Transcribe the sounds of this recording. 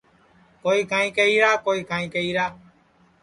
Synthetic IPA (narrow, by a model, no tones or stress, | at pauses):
koːiːkãːĩːkeiːɾaːkoːiːkãːĩːkeiːɾaː